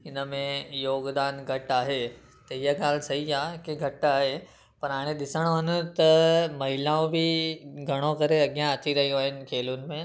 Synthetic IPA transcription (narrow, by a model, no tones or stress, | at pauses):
ɪnə̆mẽjoːɡd̪aːnɡʱɐʈaːɦe | t̪ɐɪɦaɠaːl̆sɐɦiaːkiɡʱɐʈaːɦe | pɐɾɦaːɽ̃ẽɗɪsəɽ̃oɦɐnʊ̆t̪ɐmɐɦɪlaːõbɪɡʱɐɽ̃okɐɾeɐɠjãɐt̪ʰiɾɐɦijõaːɦɪnɪ̆kʰeːlʊnɪ̆mẽ